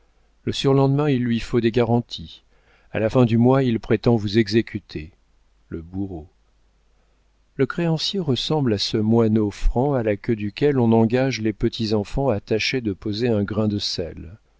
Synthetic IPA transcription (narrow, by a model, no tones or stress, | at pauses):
ləsyʁlɑ̃d̪mɛ̃ilːɥifod̪eɡaʁɑ̃t̪ʰi | a̰lafɛ̃d̪ymwailpχet̪ɑ̃vuzɛɡzekʲʰyt̪ʰe | ləbuʁo | ləkχeɑ̃sjeʁəsɑ̃blasəmwanofχɑ̃alakʲød̪ykʲɛlɔ̃nɑ̃ɡaʒlepət̪ʰizɑ̃fɑ̃at̪aʃed̪əpozeɛ̃ɡʁɛ̃d̪əsɛl